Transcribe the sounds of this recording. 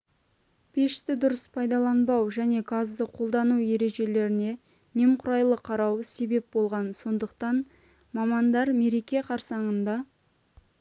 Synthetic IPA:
pʰeʃɪ̥t̪ɪd̪ʊɾəspʰɑjd̪ɑlˠɑnbɑwʒæne̞ɡɑzd̪əqʰo̞lˠd̪ɑnuje̞ɾe̞ʒe̞le̞ɾɪne̞ | ne̞mqʰʊɾɑjlˠəqʰɑɾɑwse̞be̞p̚bo̞lˠʁɑnso̞nd̪əq̚t̪ɑn | mɑmɑnd̪ɑɾme̞ɾe̞kʲe̞qʰɑɾsɑɴənd̪ɑ

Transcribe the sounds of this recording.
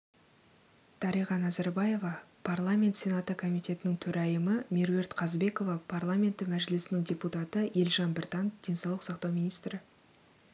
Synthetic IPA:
t̪ʰɑɾijʁɑnɑzæɾbaje̞vɑpʰarlˠamʲe̞nt̪sʲe̞nat̪əkʰo̞mijt̪e̞t̪ɪnɪŋt̪ʰɵɾʔæjəməmʲeɾwe̞ɾt̪qʰɑzbe̞ko̞vɑpʰarlˠamʲe̞nt̪ːɪmæʒɪlɪsɪnɪŋdʲe̞put̪at̪əje̞lʒɑnbɪɾt̪ɑnd̪̥ʲe̞nsɑwlˠəqsɑqt̪ɑwmʲijnijst̪ɾɪ

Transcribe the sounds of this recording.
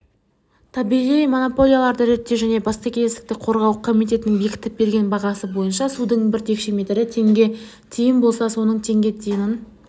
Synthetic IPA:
t̪ʰɑbiʁijmo̞no̞po̞lʲˠijalˠɑɾd̪əɾet̪ːeʒæne̞bɑst̪ɑkʲʰelest̪ɪ̥k̚t̪ɪqʰo̞ɾʁɑwqʰomijt̪e̞t̪ɪnɪŋbe̞kʲɪ̥t̪ɪp̚be̞ɾɡʲe̞nbɑʁɑsəbo̞jənʃɑsud̪əɴbɪɾt̪ʰe̞kʃe̞me̞t̪ɾɪt̪ʰe̞ŋɡʲe̞ | t̪ʰijɪnbo̞lˠsɑso̞nəɴt̪ʰe̞ŋɡʲe̞t̪ʰijɪnɪn

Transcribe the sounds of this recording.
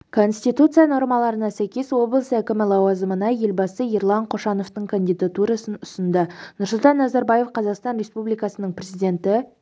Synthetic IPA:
kʰo̞nst̪it̪ut̪sɨjano̞ɾmɑlˠɑɾənɑsæjkʲe̞swo̞blˠəsækʲɪmɪlˠɑwɑzəmənɑje̞lʲbɑsəeɾlˠɑɴqʰo̞ʃɑno̞ft̪əɴkʰanʲd̪ijd̪at̪uɾɑsənʊsənd̪ənʊɾsʊlˠt̪ɑnːɑzɑɾbɑje̞fqʰɑzɑqst̪ɑnɾʲe̞spublijkɑsənəɴprʲezijd̪ʲe̞nt̪ɪ

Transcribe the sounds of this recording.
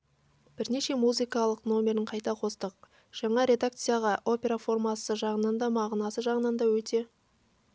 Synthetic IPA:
b̥ɪɾne̞ʃe̞muzɨkɑlˠəqno̞mʲe̞ɾɪɴqʰɑjt̪ɑqʰo̞st̪əq̚ | ʒ̥ɑɴɑɾʲe̞d̪akt̪sɨjaʁɑʔo̞pʲe̞ɾafo̞rmɑsəʒɑʁənɑnd̪ɑmɑʁnɑsəʒɑʁənɑnd̪ɑwɵt̪e̞

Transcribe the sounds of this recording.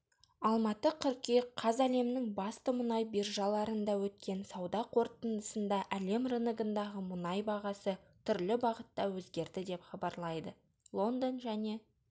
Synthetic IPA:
ɑlˠmɑt̪əqʰʏɾkʲeqʰɑzæle̞mnɪŋbɑst̪əmʊnɑjbirʒɑlˠɑɾənd̪ɑwɵt̪̚kʲe̞nsɑwd̪ɑqʰo̞ɾt̪ənd̪əsənd̪ɑʔæle̞mrɨnəɡənd̪ɑʁəmʊnɑjbɑʁɑsə | t̪ʰʏɾlɪbɑʁət̪ːɑwɵzɡʲe̞ɾd̪ɪd̪e̞pχɑbɑɾlˠɑjd̪ə | lˠo̞nd̪onʒæne̞

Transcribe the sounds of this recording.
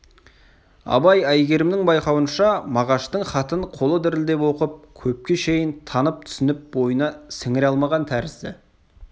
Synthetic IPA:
ɑ̰bɑjæjɡʲe̞ɾɪmd̪ɪŋbɑjqɑwənʃɑmɑʁɑʃt̪əɴχɑt̪əɴqʰo̞lˠəd̪ɪɾɪld̪e̞pwo̞qəp̚kʲʰɵp̚kʲe̞ʃe̞jɪnt̪ʰɑnəp̚t̪ʰʏ̥sɪnɪp̚bo̞jənɑsɪŋɪɾɑlˠmɑʁɑnt̪ʰæɾɪsd̪ɪ

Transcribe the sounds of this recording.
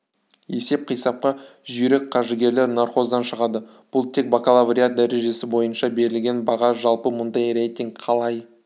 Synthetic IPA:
e̞se̞p̚qʰijsɑp̚qɑʒʏɾek̚qʰɑʒəɡʲe̞ɾleɾnarqo̞zd̪ɑnʃəʁɑd̪ə | b̥ʊlˠt̪ʰe̞k̚bakalˠavrʲiat̪̚d̪æɾe̞ʒe̞sɪbo̞jənʃɑbe̞ɾɪlɡʲe̞nbɑʁɑʒɑlˠpəmʊnd̪ɑjrejt̪ʲiŋɡqʰɑlˠɑj

